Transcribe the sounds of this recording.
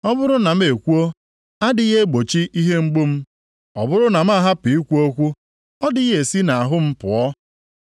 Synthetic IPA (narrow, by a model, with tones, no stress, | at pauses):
ɔ˦bʊ˦ɾʊ˦na˨m̩˦e˨kʷu˦o˦ | a˦dɪ˨ɣe˦ɡ͡bo˨t͡ʃi˦ʔi˦ɦe˦ŋ͡m̩˦ɡ͡bo˦m̩˦ | ɔ̰˨bʊ˦ɾʊ˦na˨m̩˦a˦ɦa˦pi˨i˦kʷu˦o˦kʷu˦ | ɔ˦dɪ˦ɣe˨si˦na˨a˨ɦʊ˦m̩˦pʊ̰˨ɔ˦